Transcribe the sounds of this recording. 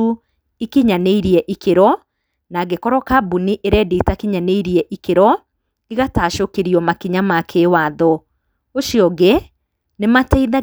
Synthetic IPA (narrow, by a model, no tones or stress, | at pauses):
u | ikiɲaneiɾiɛʔikeɾɔ | naɡekɔɾɔkabuniʔeɾɛdetakiɲaneiɾiɛʔikeɾɔ | iɣataʃokeɾiɔmakiɲamakʰewaðɔ | oʃiɔɡe | nematɛiða